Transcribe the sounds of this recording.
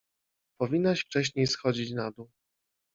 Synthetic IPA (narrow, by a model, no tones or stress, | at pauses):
pɔvʲinːaɕft͡ʂɛɕɲejsxɔd͡ʑit͡ɕnad̪u